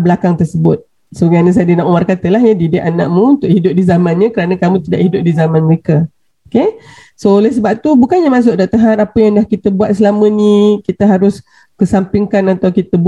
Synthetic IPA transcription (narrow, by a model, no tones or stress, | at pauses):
bəlakaŋt̪ərsəbʊt̪̚ | səəɡanəs̬adinaʔumarkat̪əlaɦɲadidɪʔanã̰ʔmũunt̪ʊʔhidʊp̚dizamãnɲãkəɾanãkamũt̪ida̰ʔhidʊp̚dizamãnməɾeka | oke | soolɛhsəbap̚t̪ubukanɲamas̬ʊʔ̚daʔt̪əɦat̪apəjaŋdahkit̪əbuat̪̚səlamə̃nikit̪əɦaɾʊs | kəsampiŋkanat̪awkit̪əb